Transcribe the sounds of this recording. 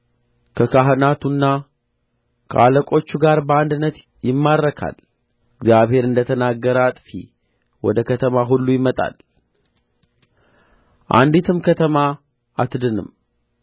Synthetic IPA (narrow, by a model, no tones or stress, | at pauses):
kʰəkʰaɦɨnat̪ʰunːa | kʰə̰ʔaləkʼo̞t͡ʃːuɡaɾbəand̪ɨnːət̪ | jɪmːad̪ɾəkʰa̰l | ɪɡzjaβhe̞ɾɨnd̪ət̪ʰənaɡːəɾat̪ʼfi | wɔd̪əkʰət̪ʰəmaɦulːujɪmət̪ʼa̰l | ʔa̰nd̪it̪ʰɨmkʰət̪ʰəma | ʔat̪ɨd̪ɨnɨ̰m